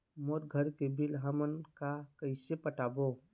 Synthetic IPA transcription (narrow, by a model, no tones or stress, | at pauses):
moɾɡʱəɾkebʱilɦəmənkakəɪsepəʈaːbo